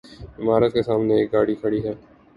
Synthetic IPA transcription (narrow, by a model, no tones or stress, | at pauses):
ɪmaːɾət̪̚kesaːmneeːk̚ɡaːɽikʰəɽiɦɛː